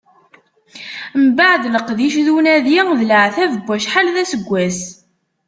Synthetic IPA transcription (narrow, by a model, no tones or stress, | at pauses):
mbaʕd̪ləqðiʃðunæðiðləʕθævəbʷːæʃħalðæsəɡʷːæs